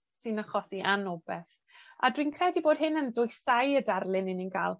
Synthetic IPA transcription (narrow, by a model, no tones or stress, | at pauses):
sɨnaχɔsiʔanɔbɛθ | a̰dwiːnkʰrɛdiboːd̥hɪnəndʊjsajədarlˠɪnɪninɡaːlˠ